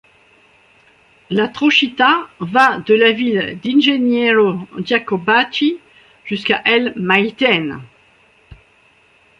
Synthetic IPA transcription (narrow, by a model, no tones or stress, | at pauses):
lat̪χɔʃit̪avad̪əlavild̪ɛ̃nʒenjɛɾod͡ʒakɔbat͡ʃi | ʒ̥yskaʔɛlmajt̪ɛn